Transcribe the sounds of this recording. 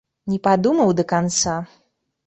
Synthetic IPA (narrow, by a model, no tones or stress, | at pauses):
nʲɛpad̪umɐwd̪ɐkant̪sa